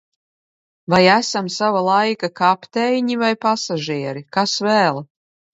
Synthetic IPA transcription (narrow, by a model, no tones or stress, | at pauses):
vajæsamsavalˠajkakapt̪ɛjɲivajpasaʒiɛɾikasvæːlˠ